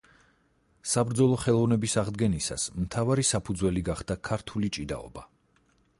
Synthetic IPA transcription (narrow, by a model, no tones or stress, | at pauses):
sabɾd̪zɔlˠɔχɛlˠɔvnɛbisaʁd̪ɡɛnisa̰smt̪ʰavaɾisapʰud̪zwɛliɡaχd̪akʰaɾt̪ʰulit͡ʃʼid̪a̰ɔ̰ba